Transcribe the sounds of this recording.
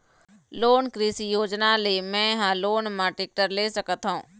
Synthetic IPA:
loːnkɾiːsijoːd͡ʒnalemɛ̃ːɦãloːnmãʈek̚ʈəɾlesəkət̪ɦũː

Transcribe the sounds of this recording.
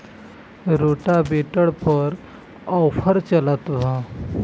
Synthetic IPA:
ɾoʈabeʈəɭpəɾ | ɔwfəɾt͡ɕəlat̪ʋã

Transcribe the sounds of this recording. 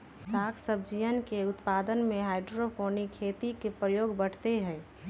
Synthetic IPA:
saːkʰsəbd͡ʒijənkeʊt̪paːd̪ənmẽɦaɪɖɾopʰoːnikʰːet̪ikepɾəjoːɡbəɽ̤t̪eɦɛː

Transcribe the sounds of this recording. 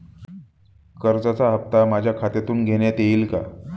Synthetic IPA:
kəɾd͡zat͡saɦəp̚t̪amad͡ʑʱjakʰat̪jat̪uːnɡʱeɽjat̪eiːlka̰

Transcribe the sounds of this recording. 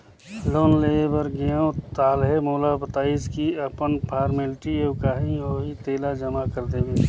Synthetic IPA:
loːnleːebəɾɡejõt̪aːlɦemoːlabət̪aːiskiəpənpʰaːɾmɪlʈioːkaːɦiɦoit̪eːlad͡ʒəmakəɾd̪ebe

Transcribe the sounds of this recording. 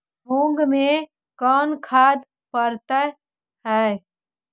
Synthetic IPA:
ɦõŋɡme | kɔnkʰad̪ | pəɾt̪ə | ɦə

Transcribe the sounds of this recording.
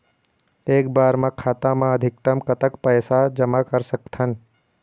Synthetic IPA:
eːkbaːɾmãkʰaːt̪ãmãəd̪ʱɪk̚t̪əmkət̪əkpəjsad͡ʒəmakəɾsəkt̪ʰən

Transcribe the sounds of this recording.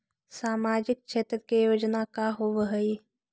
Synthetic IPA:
saːmaːd͡ʒɪk̚t͡ʃʰeːt̪ɾəkejoːd͡ʒnakaɦoʋəɦəi

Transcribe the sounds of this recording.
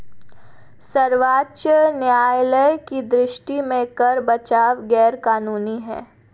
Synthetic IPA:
sɐɾʋaːtːʃənjaːjləjkid̪ɾɪʃʈimẽkɐɾbɐt͡ʃaːʋɡɛːɾkaːnuːniɦɛ̰̃ː

